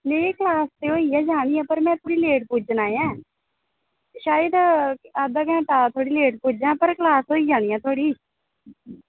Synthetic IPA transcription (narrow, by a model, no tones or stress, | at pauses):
leːklaːst̪eːoːiːɛːd͡ʒaːɽ̃iːãːpəɾmɛ̃ːt̪ʰoːɽiːleːʈ̚pud͡ʒnaːjãː | ʃaːjəd̪aːd̪aːkɛ̃ːʈaːt̪ʰoːɽiːleːʈpuːd͡ʒãːpəɾklaːsoːiːd͡ʒaːɽiːãːt̪ʰoːɽiː